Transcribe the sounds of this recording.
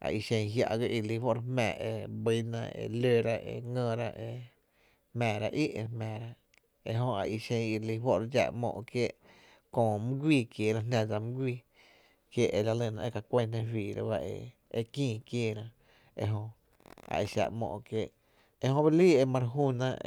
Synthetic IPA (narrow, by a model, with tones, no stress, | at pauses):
a̰˨i˧˨ʃẽ˧ɲ̃ɦja̰˧ʔɡə˦ʔi˧li˧˦wo˦ʔɾe˧hmɛ̰̃ː˧˨e˧bi˧˦nã̰˧ḛ˧lø˧˨ɾa˦ʔḛ˧˨ŋə̃˧˨ɾa˦ʔe˧ | hmɛ̃ː˨ɾa˧ʔi˦ʔe˧ɾhmɛ̃ː˨ɾa˦ | e˧ɦõ˧a˨ʔi˧˨ʃẽ˧ŋi˧li˧ɦwo˦ʔɾa˧d͡ʒa̰˧ʔmɔ̰̃ː˧ʔkjeː˦˨ʔ | kõː˧˨mɨ̃˦ɡʷiː˧˨kje˧˨ɾã˦nã˧d͡za˧mɨ̃˦ɡʷiː˧˨ | kje˦˨ʔe˧˨la˧lə̃˧˨nã˧e˦˧ka˨kʷe˦nẽ˧fwiː˨ɾa̰˦ba˦ʔḛ˧˨ | e˧kĩː˧˨kjeː˦˨ɾã˧ | e˧ɦõ˧ | a̰˨i˨ʃa̰˧˨ʔmɔ̰̃ː˧˨ʔkje˦ʔ | e˧hõ˦ba˦liː˦e˧mã˧ɾɦuː˦˧˨nã˦